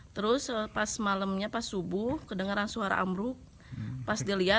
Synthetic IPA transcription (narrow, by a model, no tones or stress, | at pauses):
t̪əɾʊspasmaləmɲapasubʊkədəŋaɾansuaɾa̰ʔa̰mɾʊ | pasdilia